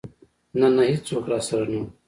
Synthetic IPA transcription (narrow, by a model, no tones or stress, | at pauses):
nɐnɐɦit͡soːkɾaːsɐɾɐnũː